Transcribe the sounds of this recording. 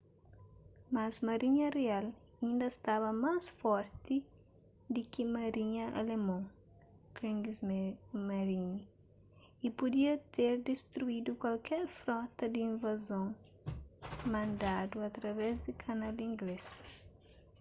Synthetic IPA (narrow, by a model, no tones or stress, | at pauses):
mɐzmɐɾiɲɐreal | ĩnd̪ɐst̪avɐmasfɔɾt̪i | d̪ɪkimɐɾiɲɐʔɐ̰lemõ | kɾĩŋzmɐɾiɲi | ipud̪iɐt̪eɾd̪est̪ɾuid̪ukwalkɛɾfɾɔt̪ɐd̪iĩnvɐzõŋ | mɐ̃nd̪ad̪uɐt̪ɾɐvɛzd̪ɪkʰɐnalĩŋɡles